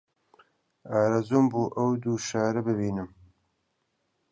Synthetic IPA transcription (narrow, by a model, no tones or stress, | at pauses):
aːɾazuːmbuːʔɐwd̪uːʃaːɾɨbɨbiːnɨm